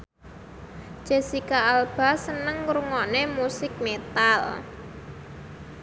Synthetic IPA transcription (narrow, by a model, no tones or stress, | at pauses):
ʒ̥e̤sikaalb̥a̤sənəŋɾuŋɔnemusɪk̚met̪al